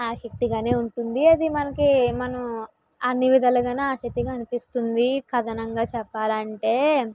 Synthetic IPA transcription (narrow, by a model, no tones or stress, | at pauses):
aːʃɐk̚t̪iɡaːne̞ːuɳʈund̪iɐd̪imɐnɐkimɐnɐm | ɐnːiʋid̪ʱɐlɐɡaːnaːʃɐk̚t̪iɡaɐnipist̪und̪ikɐd̪ɐnɐŋɡaːt͡ʃɛpːaːlɐɳʈe̞ː